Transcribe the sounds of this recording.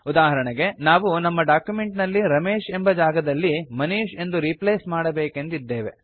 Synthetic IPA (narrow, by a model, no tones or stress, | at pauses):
ud̪aːɦɐɾɐɳeɡe̞naːʋunɐmːɐɖaːkjume̞ɳʈnɐlːiɾɐmeːʃe̞mbɐd͡ʒaːɡɐd̪ɐlːimɐniːʃe̞nd̪uɾipleːsmaːɽɐbeːke̞nd̪id̪ːeːʋe̞